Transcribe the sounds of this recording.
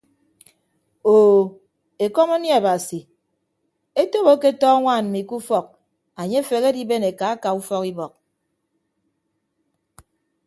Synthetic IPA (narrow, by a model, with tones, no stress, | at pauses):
oː˨ | e˨kɔ˦mo˦nja˨ba˨si˨ | e˦to˦βo˦ke˦tɔː˦ŋʷaː˦˨nm̩˨mi˨ku˦fɔ˦˨k̚ | a˨ɲe˦fe˨ɣe˦di˦be˦ne˨ka˨a˦ka˨u˦fɔ˦ki˦bɔ˨k̚